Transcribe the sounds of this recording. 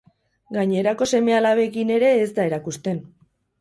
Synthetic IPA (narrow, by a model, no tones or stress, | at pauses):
ɡaɲeɾako̞se̞me̞alaβe̞kine̞ɾe̞ːzd̪ae̞ɾakust̪e̞n